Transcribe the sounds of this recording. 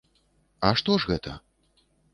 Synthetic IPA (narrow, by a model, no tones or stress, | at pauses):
ɐʂt̪ɔʐɣɛt̪ʰɐ